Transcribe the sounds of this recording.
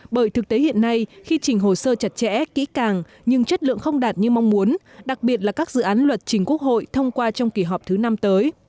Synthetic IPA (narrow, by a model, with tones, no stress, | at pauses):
ɓəː˧˩jt̪ʰɨ˨˩k̚t̪e˨˦hḭ˧˨ənːa˧jxi˧t͡ɕï˨˩ŋ̟ɦo˨˩səː˧t͡ɕə˨˩t̚t͡ɕɛ̰˧˥kḭ˧˥kaː˨˩ŋ | ɲɨ˧ŋt͡ɕə˦˥t̚lɨ̰˧˨əŋxə˧wŋ͡mɗaː˨˩t̚ɲɨ˧ma˧wŋ͡mmu˨˦ənɗa˨˩k̚ɓi˨˩ət̬̚laː˨˩kaː˦˥k̚zɨ̰˧˨ʔaː˨˦nlwə˨˩t̚t͡ɕï˨˩ŋ̟ku˦˥ək̚ho̰˧˨jt̪ʰə˧wŋ͡mkwaː˧t͡ɕɔ˧wŋ͡mki˧˩ɦɔ˨˩p̚t̪ʰɨ˨˦na˧mt̪əː˨˦j